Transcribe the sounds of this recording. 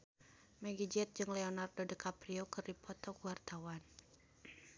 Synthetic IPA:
mɛɡid͡ʒɛt̪̚d͡ʒɨŋlɛonardodəkapɾiokɨrdipʰɔt̪ɔkuwart̪awan

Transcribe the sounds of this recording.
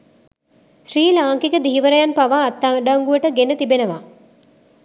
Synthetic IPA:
ʃriːlaːŋkikəd̪iɦiʋəɾəjanpaʋaːt̪ːaɖaŋɡuəʈəɡenət̪ibenəʋa

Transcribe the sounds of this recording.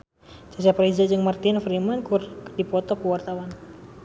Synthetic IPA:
t͡ʃasapɾid͡ʒad͡ʒɨŋmart̪ɪnfɾimankurdipɔt̪ɔkuwart̪awan

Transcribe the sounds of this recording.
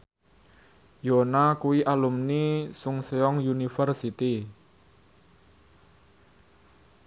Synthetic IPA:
jonakuwiʔalumnisʊŋseɔŋjunifərsit̪i

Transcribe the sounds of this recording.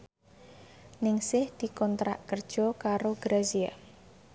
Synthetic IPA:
nɪŋsɪhd̪̥i̤kɔnt̪ɾa̰ʔkərd̥ʒ̥ɔ̤kaɾoɡ̥ɾazia

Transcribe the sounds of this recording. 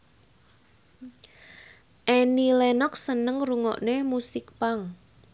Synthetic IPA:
ʔɛnilɛnɔk̚sənəŋruŋɔ̰ʔnemusɪk̚paŋ

